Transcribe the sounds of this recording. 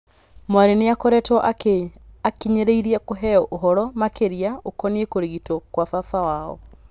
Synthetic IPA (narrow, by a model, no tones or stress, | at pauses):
mwaɾeneakɔɾɛtɔʔaeakiɲeɾeiɾiakoɦɛɔʔoɦɔɾɔmakeɾiaokɔniekoɾeɣitɔkwafafawaɔ̰